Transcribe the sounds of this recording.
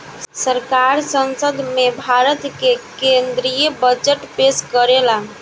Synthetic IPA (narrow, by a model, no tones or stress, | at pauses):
səɾkaɾsənsəd̪ʱmebʱaɾət̪kekend̪ɾijəbəd͡ʒəʈpeskəɾela